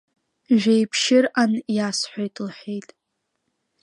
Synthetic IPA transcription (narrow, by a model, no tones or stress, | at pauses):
ʒᶣejpʰʃɪranjasħʷojtʼlħʷᶣejtʼ